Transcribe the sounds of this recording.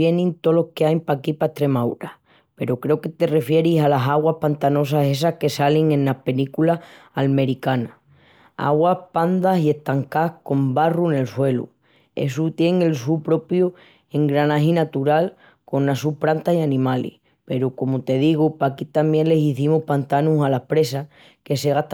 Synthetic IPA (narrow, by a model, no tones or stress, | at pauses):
je̞nĩnt̪o̞lo̞hkeajpakipaeht̪ɾe̞mawɾa | pe̞ɾokɾe̞oke̞t̪e̞re̞fje̞ɾisalasaɣwahpant̪ano̞s̬ase̞s̬ahke̞saliŋẽ̞nlahpe̞likulaalme̞ɾikana | a̰ɣwahpand̪asie̞ht̪aŋkahko̞mbarune̞lswe̞lṵ | e̞̰s̬ut̪je̞ŋe̞lsuɾpɾo̞pju | e̞ŋɡɾanaɦinat̪uɾal | ko̞nnasupɾant̪asianĩmalḭh | pe̞ɾokomot̪e̞ðiɣ̞upakit̪ambje̞nle̞siθimohpant̪anusalahpɾe̞s̬a | ke̞se̞ɣ̞aht̪